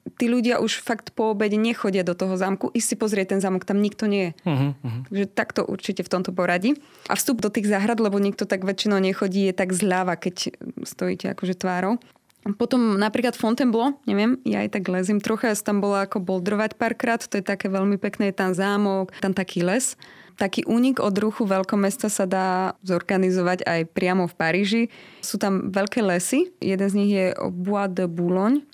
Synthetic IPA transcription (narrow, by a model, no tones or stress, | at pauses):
t̪iːʎuɟɪaʔuʃfakt̪pɔːbɛɟɲɛxɔɟɪad̪ɔt̪ɔɦɔzaːmkuʔiʃsipɔzɾɪɛc̚t̪ɛnzaːmɔkt̪amɲikt̪ɔɲɛjɛt̪aɡʒɛt̪akt̪ɔʔṵɾt͡ʃicɛft̪ɔmt̪ɔpɔɾaɟi | ʔa̰fst̪ubd̪ɔt̪iːɣzaɦɾad̪lɛbɔɲik̚t̪ɔt̪aɡʋɛt͡ʃinɔʊɲɛxɔɟiːjɛt̪aɡzlaʋakɛcst̪ɔjḭːcɛa̰kɔʒɛt̪ʋaːɾɔʊ | pɔt̪ɔmnapɾiːklat̪fɔnt̪ɛmblɔɲɛʋɪɛmja̰a̰jt̪aɡlɛzimt̪ɾɔxast̪ambɔlaːkɔbɔld̪ɾɔʋacpaːɾkɾaːt̪t̪ɔjɛt̪akɛːʋɛʎmipɛknɛːjɛt̪anzaːmɔkt̪amt̪akʰiːlɛst̪akiːʔuːɲiɡɔd̪ɾuxuʋɛʎkɔmɛst̪asad̪aːzɔɾɡanizɔʋaɟa̰jpɾɪamɔfpaɾiːʒisuːt̪amʋɛʎkɛːlɛsijɛd̪ɛnzɲiɣjɛʔɔ̰buad̪bulɔɲ